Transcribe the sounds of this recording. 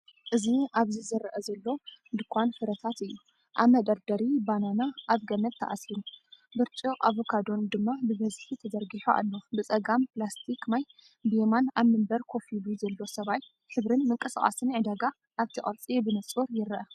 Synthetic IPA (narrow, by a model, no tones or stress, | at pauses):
ʔɨziʔaβzizɨɾʔɐzɐlːo̞nd̪ɨkʰʷanfɨɾɐt̪ʰat̪ɨjːu | ʔaβmɐd̪ɐɾd̪ɐɾibananaʔaβɡɐmɐt̪ʰːɐ̰ʔasiɾubɨɾt͡ʃʼiʔa̰βokʰad̪o̞nd̪ɨmːabɨbɐzħit̪ʰɐzɐɾɡiħoʔa̰lːo̞bɨt͡sʼɐɡamplast̪ʰikmaj | bijemanaβmɨmbɐɾkʰo̞filuzɐlːo̞sɐβaj | ħɨβɾɨnmɨŋkʼɐsa̰χʼa̰sɨnʕɨd̪aɡa | ʔaβt̪ʰɨχʼɐ̰ɾt͡sʼibɨnɐt͡sʼuɾjɪɾʔɐ